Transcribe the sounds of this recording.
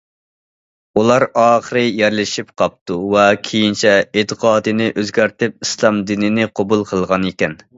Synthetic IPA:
ulˠɑɾɑːχəɾɨjɛɾlɪʃip̚qʰɑp̚t̪ʰuvɛkʲʰejint͡ʃʰɛet̪ʰəqʰɑːd̪ɨnɪʔøzɡʲæɾt̪ɪp̚islˠɑmd̪inɪnɪqʰobulˠqʰəlˠʁɑnekʲɛn

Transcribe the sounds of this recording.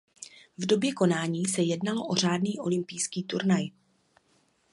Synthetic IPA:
vdo̞bjɛko̞naːɲiːsɛjɛdnaloʔo̞r̝aːdniːʔo̞lɪmpɪjskiːt̪uɾnaj

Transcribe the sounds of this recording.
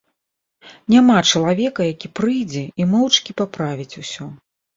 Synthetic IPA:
nʲamat͡ʂɐlˠavʲɛkɐjakʲipɾɨjd͡zʲɛimɔwt͡ʂkʲipapɾavʲit͡sʲusʲɔ

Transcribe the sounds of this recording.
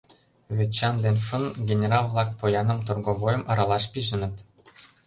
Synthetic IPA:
βʲet͡ɕːɑnd̪enʲfɤ̆nɡʲenʲerɑlˠvlˠɑk̚pojɑnɤ̆mt̪orɡovojɤ̆mɑ̆ɾɑlˠɑʃpʲiʒɘ̆nɘ̆t̪

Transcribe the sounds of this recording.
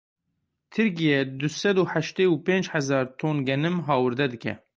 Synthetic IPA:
t̪ʰɨɾkijɛd̪ɨsɛd̪uːħæʃt̪eːupẽːnd͡ʒhɛzɑːɾt̪ʰoːnɡɛnɨmɦɑːwɨɾd̪ɛd̪ɨkʲɛ̰

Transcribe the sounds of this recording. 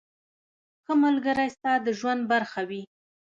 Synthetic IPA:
xəmalɡəɾajst̪ɑd̪əʒwand̪̚baɾxawi

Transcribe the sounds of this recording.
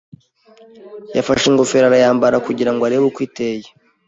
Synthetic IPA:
ja̰faʃeŋɡofeɾaɾajaːmbaɾakuɟiɾaŋɡoaɾeβukwiːteje

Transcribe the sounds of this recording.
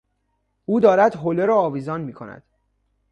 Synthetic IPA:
uːd̪ɒːɾæd̪ɦoleɾɒːviːzɒːnmiːkʰo̞̰næ̰d̪̥

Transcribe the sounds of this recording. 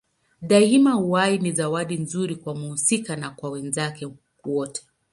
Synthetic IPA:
ɗaimauwainizawaɗinzuɾikwamuhusikanakwawɛnzakɛ | wɔtʰɛ̥

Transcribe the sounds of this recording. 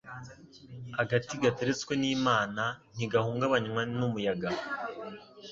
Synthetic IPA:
haɡatiɡateɾet͡skweniːmaːnan̥iɡahuːŋɡaβaɲwanumujaɡa

